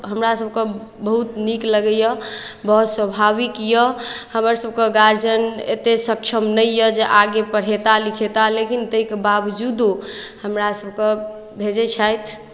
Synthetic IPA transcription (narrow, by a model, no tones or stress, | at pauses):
ɦəmɾasəb̚ʱkebəɦut̪nikləɡəjəbəɦut̪swəbʱaβikjəhəməɾsəb̚keɡaɾd͡ʒənḛt̪esəkt͡ʃʰəmnəjjəd͡ʒeʔaɡepəɽ̤et̪alikʰet̪alekint̪əikebabd͡ʒud̪ohəmɾasəbʱke | bʱed͡ʒɛt͡ʃʰajt̪ʰ